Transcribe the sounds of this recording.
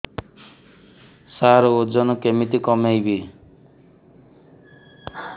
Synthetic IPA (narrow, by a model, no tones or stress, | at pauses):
saɾɔod͡ʒɔnɔkemit̪ikɔmejbi